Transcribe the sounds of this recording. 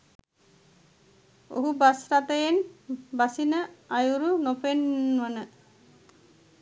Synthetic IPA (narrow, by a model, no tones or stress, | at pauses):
o̰ɦubasɾat̪əjenbasinəajuɾunopenʋənə